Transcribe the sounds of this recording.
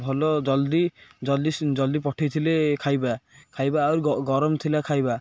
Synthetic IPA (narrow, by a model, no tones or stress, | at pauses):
bʱɔlɔd͡ʒɔld̪id͡ʒɔld̪id͡ʒɔld̪ipɔʈʰajt̪ʰilekʰajbakʰajbaːwɾɡɔɾɔmt̪ʰilakʰajba